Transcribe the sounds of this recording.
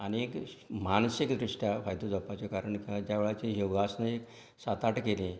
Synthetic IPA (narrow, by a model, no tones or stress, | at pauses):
aniekmansikd̪ɾiʂʈʰjafajd̪od͡zapat͡sekaɾəɳkĩʋad͡ʑjaʋeɭat͡ɕeɦoʋɡasnəek | sat̪aʈkelẽ